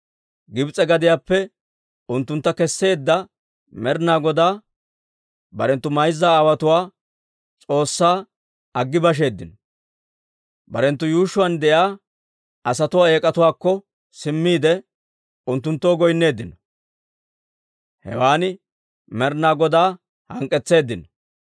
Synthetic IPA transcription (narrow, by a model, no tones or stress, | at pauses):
ɡɪbt͡sʼɛɡɐd̪ɪjaːpːɛ | ʊnt̪ːʊnt̪ːɐkɛsːe̞ːd̪ːɐ | mɛɾnaːɡɔd̪aː | bɐɾɛnt̪ːʊmɐjzːaːwɐt̪ʊwaː | t͡sʼo̞ːsːaː | ɐɡːɪbɐʃ̬e̞ːd̪ːɪnɔ | bɐɾɛnt̪ːʊjuːʃʊwɐnd̪ɛjaː | ɐsɐt̪ʊwaːeːkʼɐt̪ʊwaːkːɔ | sɪmːiːd̪ɛ | ʊnt̪ːʊnt̪ːoːɡɔjnːe̞ːd̪ːɪnɔ | hɛ̰waːnɪ | mɛɾnaːɡɔd̪aː | hɐŋkʼːɛt͡sːe̞ːd̪ːɪnɔ